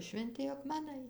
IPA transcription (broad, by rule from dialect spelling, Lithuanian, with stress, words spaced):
ʃʲʋʲɛnʲˈtʲɪ ɐkmʲɛˈnɐɪ